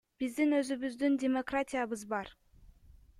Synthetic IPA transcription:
b̥ɪzd̪inøzybyzd̪yndʲemokratʲijabɯzbɑɾ

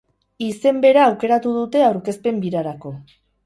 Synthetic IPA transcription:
ise̞mbe̞ɾaːwke̞ɾat̪uð̞ut̪e̞awɾke̞spe̞mbiɾaɾako̞

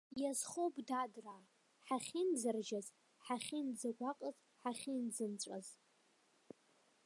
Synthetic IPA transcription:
jazχowpʼdadra | ħaχʲind͡zɨrʒaz | ħaχʲind͡zaɡʷaqʼəz | ħaχʲind͡zɨnt͡ɕʷʼa̰z

